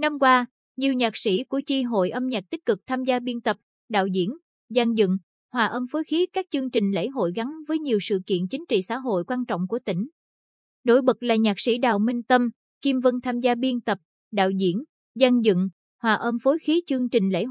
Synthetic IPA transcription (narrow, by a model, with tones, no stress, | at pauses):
na˧mkwaː˧ | ɲi˨˩əwɲaː˨˩k̚si˧˩˥ku˧˩ət͡ɕi˧ɦo̰˧˨jʔə˧mɲaː˨˩t̚t̪i˦˥k̟̚kɨ˨˩k̚t̪ʰaː˧mzaː˧ɓi˧ənt̪ə˨˩p̚ | ɗa̰ː˧˨wzḭ˧˥ən | za˧nzɨ̰˧˨ŋ | hwaː˨˩ʔəː˧mfo˨˦jxi˨˦kaː˦˥k̚t͡ɕɨ˧əŋt͡ɕï˨˩ŋ̟lḛ˧˥jɦo̰˧˨jɣa˨˦nvəː˨˦jɲi˨˩əwsɨ̰˧˨kḭ˧˨ənt͡ɕï˨˦ŋ̟t͡ɕḭ˧˨sa̰ː˧˥ɦo̰˧˨jkwaː˧nt͡ɕɔ̰˧˨wŋ͡mku˧˩ət̪ï˧˩ŋ̟ | no̰˧˥jɓə˨˩k̚laː˨˩ɲaː˨˩k̚sḭ˧˥ɗa̰ː˧˨wmï˧ŋt̪ə˧m | ki˧mvə˧nt̪ʰaː˧mzaː˧ɓi˧ənt̪ə˨˩p̚ | ɗa̰ː˧˨wzḭ˧˥ən | za˧nzɨ̰˧˨ŋ | hwaː˨˩ʔə˧mfo˨˦jxi˨˦t͡ɕɨ˧əŋt͡ɕï˨˩ŋ̟lḛ˧˥